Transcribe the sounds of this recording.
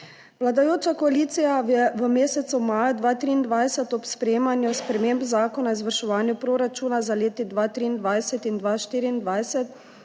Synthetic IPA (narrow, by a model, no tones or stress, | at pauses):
ʋlad̪ajoːt͡ʃakɔaliːt̪sijaɛʋəmeːsɛt̪sumajad̪ʋaːt̪ɾiːnd̪ʋajsɛt̪ɔpspɾeːmanjuspɾɛmembzaːkɔnaizʋəɾʃɛʋaːnjupɾoːɾat͡ʃuːnazaleːt̪id̪ʋaːt̪ɾiːnd̪ʋajsɛt̪ind̪ʋaːʃt̪iːɾiːnd̪ʋajsɛt̪